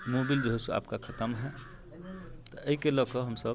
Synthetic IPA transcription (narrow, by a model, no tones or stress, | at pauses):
moːbild͡ʒoɦesua̰ːpkakʰət̪əmɦɛ | t̪ɔəikelɔkəɦəmsəb